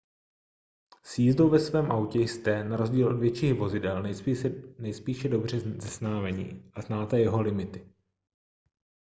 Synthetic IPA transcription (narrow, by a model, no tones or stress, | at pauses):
sjiːzdowvɛsvɛːmʔawcɛjst̪ɛnaɾozɟiːlʔodvjɛt͡ʃiːɣvo̞zɪdɛln | nɛjspiːʃɛdo̞br̝ɛzɛsnaːmɛɲḭːʔaznaːt̪ɛjɛɦo̞lɪmɪt̪ɪ̥